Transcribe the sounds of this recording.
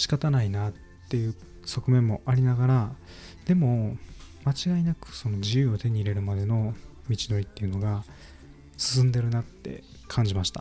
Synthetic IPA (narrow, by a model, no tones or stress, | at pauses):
ɕi̥kat̪anainatːe̞jɯ̟ː | so̞kɯ̟mẽ̞mːo̞ʔaɾʲinaɡaɾa | d̪̥e̞mo̞ | mat͡ɕiɡainakɯ̟̥so̞no̞d͡ʑijɯ̟ːot̪e̞ɲ̟iːɾe̞ɾɯ̟mad̪e̞no̞ | mʲit͡ɕino̞ɾʲit̪ːe̞jɯ̟no̞ɡa | sɨ̥s̬ɨ̃nd̪e̞ɾɯ̟nat̪ːe̞̰ | kʰãɲ̟d͡ʑimaɕi̥t̪a̰